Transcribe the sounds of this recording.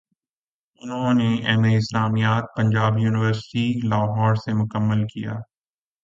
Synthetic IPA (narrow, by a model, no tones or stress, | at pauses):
ʊnɦõneɛːmeɪslaːmijaːd̪̚pɐ̃ɲd͡ʒaːbjuːnɪʋəɾsɪ̥ʈilaːɦɔːɾsemʊkəmːəlkija̰ː